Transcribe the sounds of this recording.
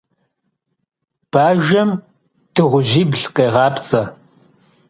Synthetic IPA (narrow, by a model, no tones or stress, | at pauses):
b̥aːʒɐm | tʰɨʁʷʊʒiːbɮqʼeːʁɑːpʰt͡sʼɐ